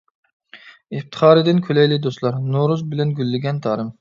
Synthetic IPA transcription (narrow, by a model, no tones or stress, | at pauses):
ɪft̪ʰə̥χɑːɾɨd̪ɪnkʲʰølɛjlɪd̪oslˠɑɾnoɾuzbɪlɛnɡʲylːɪɡʲɛnt̪ʰɑːɾɪm